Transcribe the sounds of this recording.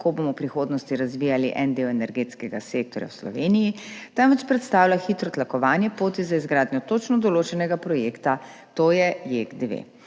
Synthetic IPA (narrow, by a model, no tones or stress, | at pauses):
kobomɔwpɾixoːd̪nɔst̪iɾazʋiːjaliʔɛnd̪ewɛnɛɾɡeːt̪skɛɡa̰sek̚t̪ɔɾja̰wslɔ̰ʋenijit̪amʋɛt͡ʃpɾɛt̪st̪aːwlaxiːt̪ɾɔt̪lakɔʋaːnjɛpoːt̪izaizɡɾaːd̪nʲjɔt̪ot͡ʃnɔd̪ɔloːt͡ʃɛnɛɡapɾɔjeːkt̪at̪oːjɛjeɡd̪eʋḛ